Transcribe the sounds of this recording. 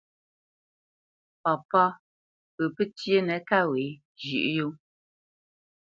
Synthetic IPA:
pɔ˨pɔ˦ | pə˨pə˦tje˦nɛ˨˦ka˦we˨˦ | ʒʉ̰˨ʔjo˦

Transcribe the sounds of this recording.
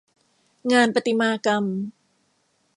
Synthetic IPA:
ŋaː˧npa˧t̪i˧maː˧ka˧m

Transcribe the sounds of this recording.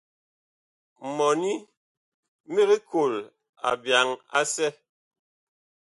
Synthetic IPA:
mɔ˨ni˦ | mi˦ɣi˦kʰo˨l | a̰˨bja˨˦ŋa̰˦sɛ˦

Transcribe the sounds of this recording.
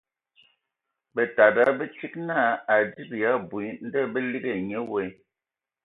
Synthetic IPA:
bə˨ta˨da˦bə˦t͡ʃi˦k̚na˦˨a˨di˦bja˨˦bwi˨n̩˦də˦˨bə˦li˦ɡe˨ɲɛ˦wɛ˦

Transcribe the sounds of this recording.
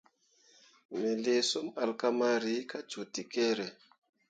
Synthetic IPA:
me˨le˨so˦ma˨lka˦ma˦ɾi˨˦ka˦t͡ʃo˨ti˨ke˦ɾe˨

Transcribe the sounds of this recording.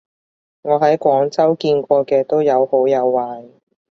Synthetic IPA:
ŋɔː˨˧ɦɐ˨˥jkʷɔː˨˥ŋt͡sɐ˥wkiː˧nkʷɔː˧kɛː˧t̪o˥wjɐ˨˧who˨˥wjɐ˨˧wːaː˨j

